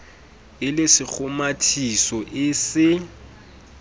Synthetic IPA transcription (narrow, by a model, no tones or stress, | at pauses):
ɪlɪsɪk͡xʰʊmatʰisɔʔɪsɪ